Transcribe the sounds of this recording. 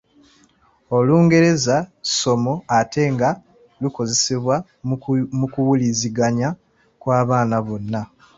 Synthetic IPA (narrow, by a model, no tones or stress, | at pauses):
o̞luːŋɡe̞ɾe̞zaso̞mo̞atʰe̞ŋɡa | luko̞ze̞seβwa | mukuwuliziɡaɲa | kwaːβaːnaβo̞nːa